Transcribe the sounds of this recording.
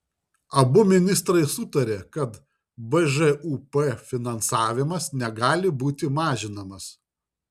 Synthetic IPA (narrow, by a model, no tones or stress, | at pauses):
ɐbʊmʲɪnʲɪst̪ɾɐɪsʊt̪ɐɾʲeːkɐt̪ | bɛʒɛʔuːpɛfʲɪnɐnsɑːʋʲɪmɐsnʲɛɡɑːlʲɪbuːt̪ʲɪmɑːʒʲɪnɐmɐs